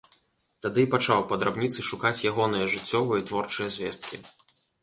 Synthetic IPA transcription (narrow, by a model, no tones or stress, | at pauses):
t̪ad̪ɨpat͡ʂawpɐd̪ɾabnʲit̪sɨʂukat͡sʲjaɣɔnɨjɐʐɨt͡sʲːɔvɨjɐt̪vɔrt͡ʂɨjɐzʲvʲɛ̰st̪̚kʲḭ